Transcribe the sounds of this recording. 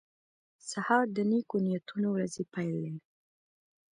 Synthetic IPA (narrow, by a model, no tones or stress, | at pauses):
sahɑɾd̪ənekonijat̪unowɾazepajlen